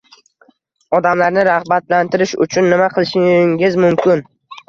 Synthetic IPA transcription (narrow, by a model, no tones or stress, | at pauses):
ɒd̪amlaɾnɪɾahbat̪lant̪ʰɪɾɪʃʊ̰t͡ʃʰʊnːɪmaqʰɨlˠɪʃɪŋʲɪzmʊmkʲʰɪn